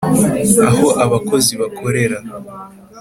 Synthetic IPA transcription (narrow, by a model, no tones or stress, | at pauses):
aɦo̞ʔaβako̞ziβakʰo̞ɾe̞ɾa